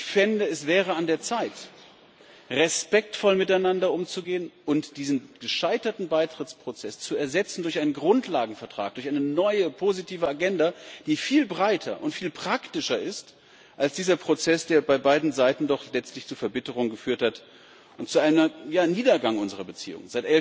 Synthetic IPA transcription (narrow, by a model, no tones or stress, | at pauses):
ɪçfɪndəɛsv̥ɛːʁ̞əandeːɐt͡saɪt | ʁɛspɛk̚tfɔlmɪtaɪnandɐʔʊmt͡suɡeːənʔʊntd̥iːzn̩ɡ̥əʃaɪtɐtn̩baɪtʁ̥ɪt͡spʁ̥ot͡sɛst͡suɛɐzɛt͡sn̩dʊɐçʔaɪnənɡʁʊntlaːɡŋ̩fɛɐtʁ̥a̰ːk̚d̥ʊçʔaɪnənɔʏəpʰozitʰiːvəaɡɛndad̥iːfiːlbʁaɪtʰɐ̰ʔʊntfiːlpʁ̥aktɪʃɐʔɪst | ʔalsd̥iːzɐpʁ̥ot͡sɛsd̥eːɐbaɪbaɪdn̩zaɪtn̩dɔχlɛt͡stlɪçt͡suːfɛɐbɪtəʁʊŋɡəfyːɐthat | ʔʊnt̚t͡suaɪnɐjaːniːdɐɡaŋʔʊnzəʁ̞ɐbət͡sḭːʊ̰ŋnzaɪtʔɛl